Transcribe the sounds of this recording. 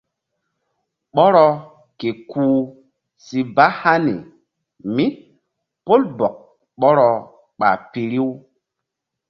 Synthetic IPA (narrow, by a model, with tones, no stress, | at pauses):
ɓɔ˦ɾɔ˦ | ke˨kuː˨˦ | si˨ba˦ha˦nḭ˨ | mi˦ | po˦lbɔ˨k̚ | ɓɔ˦ɾɔ˨ | ɓa̰˨pi˨ɾi˦w